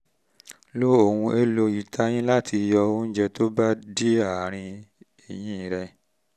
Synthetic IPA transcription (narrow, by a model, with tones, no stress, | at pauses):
lo˦o˨wũ˧e˧lo˧ji˨tʰa˧˦j̃ĩ˦la˦˨tʰi˧jɔ˧õ˦d͡ʒɛ˧to˦ba˦di˦a˦˨ɾ̃ĩ˧ | i˨jĩ˦˨ɾɛ˧